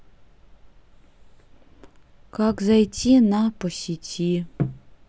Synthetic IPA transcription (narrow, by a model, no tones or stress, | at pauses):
kakzajtʲʰinapɔsʲitʲʰi